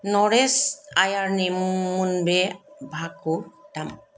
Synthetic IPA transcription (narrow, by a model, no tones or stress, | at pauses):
nɔɾesajaɾnimmunbebʱakutam